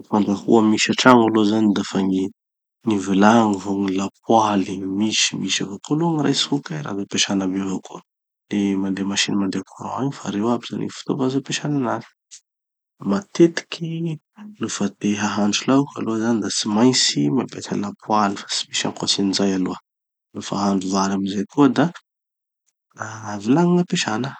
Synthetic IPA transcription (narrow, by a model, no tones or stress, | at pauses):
fand̪akṵəmiʃaʈ͡ʂaŋalozanid̪afaŋi | ŋivilaŋivoŋilapwalimiʃi̥miʃavokoloŋira̰jsukaɾa̰zepeʃanabevokʰo | lemand̪emaʃinmand̪ekʰoɾõ̰aɲifa̰ɾewabiza̰nḭfu̥t̪ovazopeʃananazi̥ | mat̪et̪i̥kʰi | nufat̪eɦaɦaɳɖ͡ʐulaka̰luazanid̪at͡simajnt͡simabet̪ʰa̰lapʰualifḁt͡si̥miʃa̰mkosinizajaluə | lufəaɦaɳɖ͡ʐuvaɾaminzekʰod̪a | avilaŋiŋapeʃanə